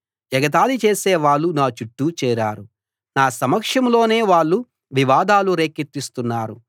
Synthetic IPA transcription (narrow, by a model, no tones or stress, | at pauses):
d͡ʒɐɡɐt̪aːlit͡ʃe̞ːseːʋaːɭːunaːt͡ʃuʈːut͡ʃɛːɾaːɾu | naːsɐmɐkʂɐmlo̞ːne̞ːʋaːɭːu | ʋiʋaːd̪aːluɾeːkit̪ːist̪unːaːɾu